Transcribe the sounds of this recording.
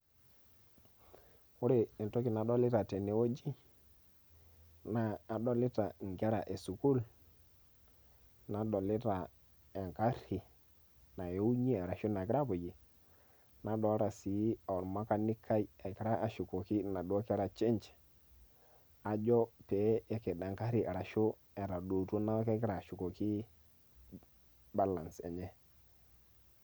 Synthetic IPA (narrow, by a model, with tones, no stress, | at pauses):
wu˦ɾe˨e˨nto˦ki˨na˨ɗo˦li˦ta˨te˨ne˨wo˦d͡ʒi˦ | naː˨ɗo˦li˦ta˨ŋ˨ɡa˦ɾa˨ʔe˨su˨ku˦l | na˨ɗo˨li˦ta˨ | e˨ŋka˦ɾi˨ | na˨jo˦u˦ɲi˦a˨ɾa˨ʃu˦na˨ki˦ɾa˦bu˨d͡ʒi˨ | na˦ɗɔ˦ɾa˨si˨˦˨ɾma˦ka˨ni˦kʰːa˦i˨e˨ki˦ɾa˦ʔa˨ʃu˨ko˨ki˦na˨do˦ki˦ɾa˨t͡ʃi˦nt͡ʃ | a˨d͡ʒɔ˦pɛ˨˦ɛ˨ke˨da˨ŋka˦ɾi˨ʔe˨ɾa˨ʃu˦ | ɛ˨ɾa˨do˨tu˦na˦ke˦ki˦ɾa˨ʃu˨ko˨ki˦ | ba˦la˨nsɛ̰˨ɲɛ˦